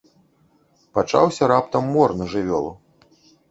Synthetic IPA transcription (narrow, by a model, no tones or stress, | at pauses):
pat͡ʂa̰wsʲɐɾapt̪ɐmːɔrnɐʐɨvʲɔlˠu